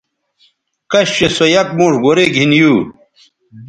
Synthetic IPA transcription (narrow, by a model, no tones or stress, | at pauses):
kɐɕɕesojɐk̚mõːʂɡoɾeɡʱinjuː